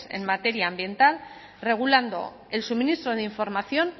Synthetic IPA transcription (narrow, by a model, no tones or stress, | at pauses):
sḛnmat̪e̞ɾjaːmbje̞nt̪al | re̞ɣ̞uland̪o̞̰ | e̞lsuminist̪ɾoðeiɱfo̞ɾmaθjo̞n